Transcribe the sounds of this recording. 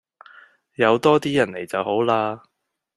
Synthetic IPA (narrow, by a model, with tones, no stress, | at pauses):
jɐ˨˧wt̪ɔː˥t̪iː˥jɐ˨˩nle˨˩jt͡sɐ˨who˨˥wlaː˧